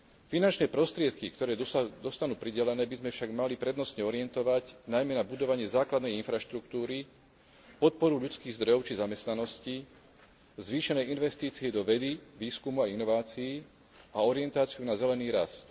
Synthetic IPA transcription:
finant͡ʃnɛːpɾɔst̪ɾɪɛt̪kikt̪ɔɾɛːd̪ɔst̪anuːpɾiɟɛlɛnɛːbizmɛfʃaɡmalipɾɛd̪nɔst̪ɲɛɔɾiɛnt̪ɔʋacnajmɛnabud̪ɔʋaɲɪɛzaːklad̪nɛjinfɾaʃt̪ɾuk̚t̪uːɾi | pɔt̪̚pɔɾuʎut͡skiːɣzd̪ɾɔjɔʊt͡ʃizamɛst̪nanɔsci | zʋiːʃɛnɛːinʋɛst̪iːt͡siɛd̪ɔʋɛd̪iʋiːskumuainɔʋaːt͡siː | ʔaɔɾiɛnt̪aːt͡siunazɛlɛniːɾast̪

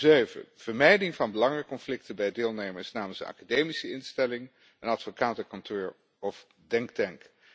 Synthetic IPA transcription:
zøɥvə̰v̥əɹmɛjdɪŋvɑnbəlɑŋəkɔnflɪktəbɛjdɪːlˠnejməɹsnaːməlsənɑ̰kadejmisəɪnstɛlɪŋ | ənɑtfokaːtəkɑntoːɹ | ɔf | dɛŋktɛŋk

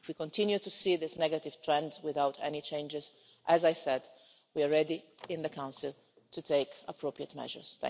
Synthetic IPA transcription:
fwikɔ̃nt̪ʰɪ̃njut̪usiðɪsnɛɡat̪ɪv̥t̪ʰɹɛ̃ndwɪðawt̪ʰɛ̰nit͡ʃẽɪ̃nd͡ʒɪz | ʔæzajsɛd | wiaɹɛdiɪ̃nðəkʰãwnsɪl | t̪ʰut̪ʰeɪkəpʰɹopɹiət̪mɛ̰ʒə̰˞sθɛ̰̃

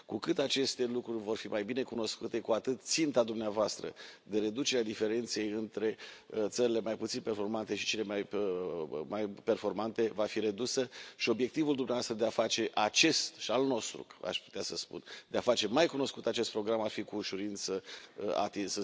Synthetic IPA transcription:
kukɨt̪at͡ʃe̞st̪e̞lukɾurʲvo̞rfimajbine̞kuno̞skut̪e̞kuat̪ɨt̪t̪sint̪ad̪umneavoast̪ɾə̰d̪e̞ɾe̞d̪ut͡ʃe̞ɾead̪ife̞ɾe̞nt̪se̞jɨnt̪ɾe̞t̪səɾile̞majput̪sinpe̞rfo̞rmant̪e̞ʃi̥t͡ʃe̞le̞maj | majpe̞rfo̞rmant̪e̞vafiɾe̞d̪usəʃio̞bje̞k̚t̪ivuld̪umneavast̪ɾəd̪eafat͡ʃe̞ʔat͡ʃe̞st̪ʃialno̞st̪ɾṵa̰ʃpu̥t̪easəspṵnd̪eafat͡ʃe̞majkuno̞skut̪at͡ʃe̞st̪̚pɾo̞ɡɾamarfikuːʃuɾint̪səa̰t̪isə

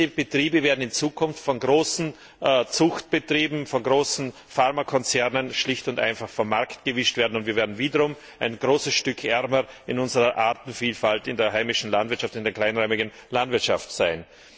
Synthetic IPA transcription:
əb̥ətʁ̥iːbəveːɐdn̩ɪnt͡suːkʰʊnftfɔnɡʁoːsn̩ | t͡sʊxt̚b̥ətʁ̥iːbm̩fɔnɡʁoːsn̩ | faʁmakʰɔnt͡sɛʁnənʃlɪçtʊntʔa̰ɪnfaχfɐmaɐktɡ̥əvɪʃtv̥eːɐdn̩ʊntv̥iːɐveːɐdn̩viːdɐʁʊm | ʔaɪnɡ̥ʁoːsəsʃtʏkʰʔɛʁməɪnʊnzəʁɐʔaɐtn̩fiːlfaltɪndeːɐɦaɪmɪʃn̩landvɪɐtʃaftɪndeːɐkl̥aɪnʁœʏmɪɡn̩landvɪɐtʃa̰ftsaɪn

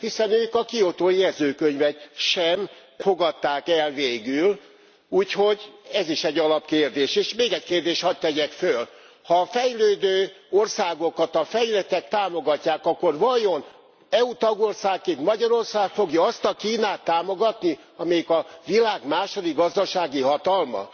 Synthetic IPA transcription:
hisɛnøːkɒkio̞t̪oːjɛzøːkøɲvɛʃɛmfo̞ɡɒt̪ːaːkɛlveːɡyl | uːcho̞ɟɛziʃɛɟːɒlɒpkeːrd̪eːʃeːʃmeːɡɛckeːrd̪eːʃhɒt̪t̪ːɛɟɛkføl | hɒːfɛjløːd̪øːo̞rsaːɡo̞kɒt̪ɒfɛjlɛt̪ɛk̚t̪aːmo̞ɡɒcːaːkɒkːo̞rvɒjo̞n | ɛut̪ɒɡo̞rsaːkːeːnt̪mɒɟɒɾo̞rsaːkfo̞ɡjɒɒst̪ɒkiːnaːt̪ːaːmo̞ɡɒt̪ni | ɒmɛjikɒvilaːɡmaːʃo̞d̪iɡɒzd̪ɒʃaːɡiɦɒt̪ɒlmɒ̰

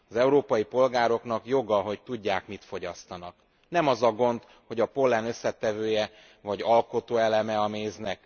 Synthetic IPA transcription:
ɒzɛuɾoːpɒjipo̞lɡaːɾo̞kn̪ɒkjo̞ɡɒɦo̞ct̪uɟːaːkmit̪fo̞ɟɒst̪ɒnɒk | nɛmɒzɒɡo̞ndt̪ | ho̞ɟɒpo̞lːɛnøsːɛt̪ɛvøːjɛ | vɒɟɒlko̞t̪oːɛlɛmɛɒmeːznɛk

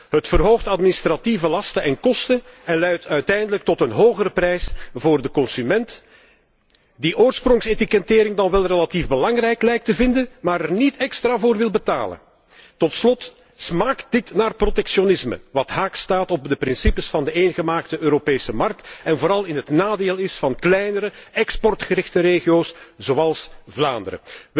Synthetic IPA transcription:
ɦətfərɦoːxtɑtminɪstrativəlɑstəɛnkɔstənɛnlɛɥtœɥtɛjndələk̚tɔtənɦoːɣəɾəprɛjsvʊːrdəkɔnsymɛnt | diʔoːrsprɔŋsetikɛtɪːɾɪŋdɑnʋɛlˠrelativbəlɑŋrɛjklɛjk̚təvɪndənmaːɾɛrnitɛkstraːvʊːrʋɪlˠbəta̰ːlə̰n | tɔtslɔt | smaːkt̚d̥ɪtnaːrprotɛksjonɪsmə̰ʋɑtɦaːkstaːtɔb̚dəpɾɪnsipəsfɑndəeːnɣəmaːktəøːɾopeːsəmɑrk̚tɛnvoːɾɑlˠɪnɦətnaːdeːlˠɪsfɑnklɛjnəɾəɛkspɔrtxəɾɪxtəɾeːɣijoːsz̥oːɑlˠsvlaːndəɾə̰

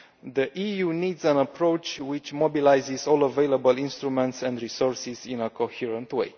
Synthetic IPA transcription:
d̪əʔijunid̪zæ̃nəpɾowt͡ʃwit͡ʃmobilajzizɔləvejləbəlĩnst̪ɾumɛ̃nt̪sɛ̃nd̪ɾisɔɹsizĩnəkʰohiɹə̃nt̪wḛj

